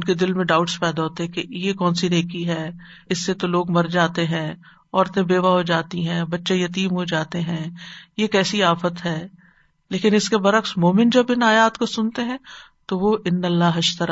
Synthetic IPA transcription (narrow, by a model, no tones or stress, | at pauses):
ʊnked̪ɪlmẽɖaːʊʈspɛːd̪aɦoːt̪eɦɛ̃kejekɔːnsineːkiɦɛː | ɪsːet̪oloːɡmɐɾd͡ʒaːt̪eɦɛ̃ː | ɔːɾt̪ẽbeːʋaɦod͡ʒaːt̪iɦɛ̃ːbɐtːʃejɐt̪iːmɦod͡ʒaːt̪eɦɛ̃ːjekɛːsiaːfət̪ɦɛː | leːkɪnɪskebɐɾəxsmoːmɪnd͡ʒɐbɪnaːjaːt̪kosʊnt̪eɦɛ̃ː | t̪oʋoʔɪnːɐlːaːɦɪʃt̪ɐɾa